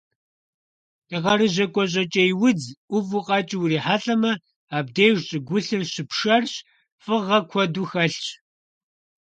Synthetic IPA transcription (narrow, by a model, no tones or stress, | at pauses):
dɨʁɐɾɨʑɐkʷʼɔʑʼɐt͡ʃʼejwʊd͡zʔʷʊvuqʼɑːt͡ʃʼiwriːħaːɬʼɐmɐ | aːb̚dejʒt͡ʃʼɪɡʷʊɬɨrɕɪpʂɐrɕ | fɨʁɐkʷʰɔduxɐɬt͡ʃ